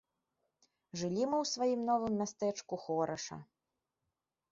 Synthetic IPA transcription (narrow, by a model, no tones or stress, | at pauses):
ʐɨlʲimɨwsvajimn̪ɔvɨmːʲast̪ɛt͡ʂkuxɔɾɐʂɐ̰